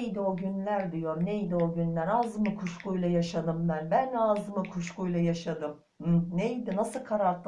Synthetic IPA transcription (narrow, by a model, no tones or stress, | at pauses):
jd̪io̞ɟynlʲæɾd̪ijo̞nejd̪io̞ɟynlʲæɾazmɯkʰuʃkujlˠajaʃad̪ɯmbænbænazmɯkʰuʃkujlˠajaʃad̪ɯm | m̩nejd̪inasɯlˠkʰaɾaɾt̪lˠ